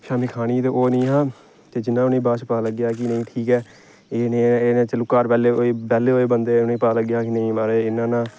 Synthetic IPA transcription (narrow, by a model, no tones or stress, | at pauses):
ʃaːmiːkʰaːɽ̃iːt̪eːʔoːnĩːɦãː | t̪eːd͡ʒɪnːãːʊnẽːbaːt͡ʃpaːləɡjaːk̬ɪnəĩːʈʰiːkɛː | eːnẽeːnẽːt͡ʃəlʊkːaːɾpɛːleːoeːbɛːleːoːeːbənd̪eːʊnẽːpaːləɡjaːkɪnəĩːmaːɾeːɪnːãːnãː